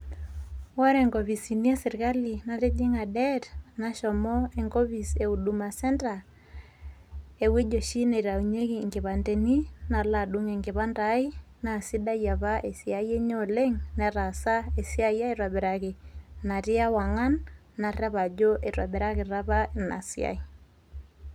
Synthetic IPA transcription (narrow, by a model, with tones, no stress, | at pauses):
wɔ˦ɾe˨ŋɡo˨βi˨si˨ni˦e˦sɪ˨ɾka˦li˨na˨ɾe˦d͡ʒɪ˦ŋa˨dɛ˦ɾna˨ʃɔ˨mɔ˦e˨ŋɡɔ˦βi˨se˨u˨du˨ma˨sɛ˦nta˨ | e˨we˦d͡ʒo˨ʃi˦ne˨ɾa˨u˨ɲe˦ki˨ŋɡɪ˨βa˨nde˨ni˦na˨la˦˨du˦ŋe˨ŋɡɪ˨βa˦nda˨˦i˦ | na˨si˦da˦ja˨βa˦ʔe˨sia˦je˦ɲo˦le˦ŋnɛ˨ɾa˨sa˦e˨si˦a˦ja˦e˦ɾwa˨bɛ˨ɾa˨ke˨na˨ɾɪ˦a˦wa˨ŋa˦nː | a˨ra˦βa˨d͡ʒo˦ʔe˨ɾwa˨bɛ˨ɾa˦ke˨ɾa˦βa˦na̰˨sj̰a̰˨i˦